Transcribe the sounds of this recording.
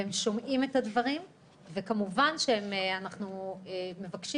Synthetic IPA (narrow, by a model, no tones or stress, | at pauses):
emʃo̞mʔimetadvaʁim | vekamuvanʃehemeanaχnuemːe̞vakʃi